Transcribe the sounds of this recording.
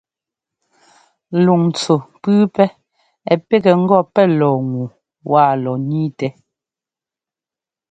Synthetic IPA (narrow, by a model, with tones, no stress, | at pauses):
lu˨ŋn˨t͡so˨pʉː˦pɛ˦ | ɛ˨pɛ˦kɛ˨ŋ̩˦ɡɔ˦˨pɛ˦lɔː˨ŋu˨ | wʔa˦˨lɔ˨niː˦tɛ˨˦